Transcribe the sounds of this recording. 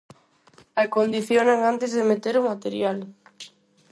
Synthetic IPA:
akond̪iθjoneŋant̪ezðemet̪eɾumat̪eɾjal

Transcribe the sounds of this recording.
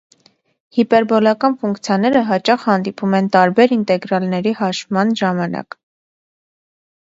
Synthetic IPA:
hipɛɾbɔlɑkɑnfuŋkt͡sʰjɑnɛɾəɦɑt͡ʃɑχhɑnd̪ipumɛnt̪ɑɾbɛɾint̪ɛɡɾɑlnɛɾihɑʃmɑnʒɑmɑnɑ̰k

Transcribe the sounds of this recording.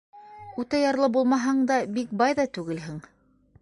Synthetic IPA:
ʉt̪æjɑɾlˠɤbulˠmɑɦɑɴd̪ɑbik̚bɑjðɑt̪ʉɡɘlɦɘŋ

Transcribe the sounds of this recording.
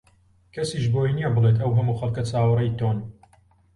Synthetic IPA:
kʰɐsiːʃboːinijɐbɨlet̪̬ɐwɦɐmuːxɐlˠkɐt͡saːwɨɾɐjt̪on

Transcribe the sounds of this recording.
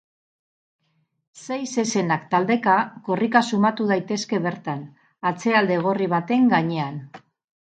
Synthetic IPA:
se̞jse̞se̞nakt̪ald̪e̞kako̞rikasumat̪uð̞ajt̪e̞ske̞βe̞ɾt̪an | at͡se̞ald̪e̞ɣ̞o̞riβ̞at̪e̞ŋɡaɲe̞an

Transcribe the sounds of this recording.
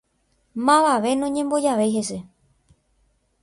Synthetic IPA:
mãʋaʋe̞nõɲẽ̞mbo̞d͡ʒaʋe̞jɦese̞

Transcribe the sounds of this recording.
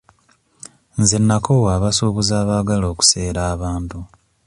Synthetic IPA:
nzenːakʰowaβasuːβuzaːβaɡalo̞ːku̥se̞ːɾaːβaːntu

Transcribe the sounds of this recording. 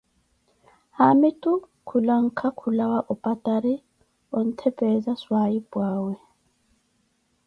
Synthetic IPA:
hamitʼu | kʰulaŋ̩kʰakʰulawaʔɔpʼatʼaɾi | ɔn̩tʰɛpʼɛzaswaibwaːwɛ

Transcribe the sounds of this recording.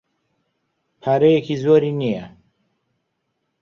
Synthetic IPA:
pʰaːɾejekʰizoːɾinija

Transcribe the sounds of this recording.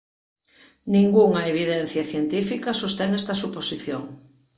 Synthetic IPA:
nĩŋɡuŋɐeβiðɛn̟θjɐθjent̪ifikɐsost̪eŋɛst̪ɐsuposiθjoŋ

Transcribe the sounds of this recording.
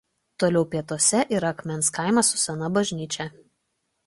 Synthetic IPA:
t̪oːlʲɛʊpʲiɛt̪oɔsʲɛʔiːɾɐɐkmʲɛnˑskɑˑɪmɐsʊ̥sʲɛnɐbɐʒʲnʲiːt͡ʃʲɛ

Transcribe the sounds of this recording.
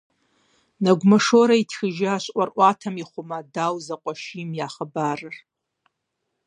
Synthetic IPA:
naɡʷmaʂoɾaitʰxʲɪʒaaʃʷʼʔʷʼarʔʷatʰamiχʷʊmadawzaqʷʼaʃimjaχəbarɨr

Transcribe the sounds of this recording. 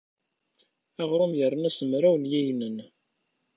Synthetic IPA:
æʁɾˤʊmjərˤənæsəmɾæwnjæjnən

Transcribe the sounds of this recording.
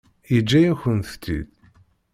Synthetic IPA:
jəd͡ʒːæjæçənθt̪ːḭð

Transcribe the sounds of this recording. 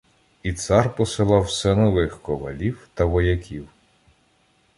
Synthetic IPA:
it̪sɑrpɔsɪlˠɑwsɛnɔʋɪxkɔʋɐ̰lʲiwt̪ɐʋɔjɐkʲiw

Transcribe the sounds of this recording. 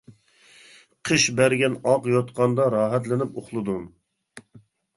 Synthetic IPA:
qʰəʃbæɾɡʲɛnɑqjot̪qʰɑnd̪ɑɾɑːɦæt̪lɪnɪpoχlˠɨd̪u

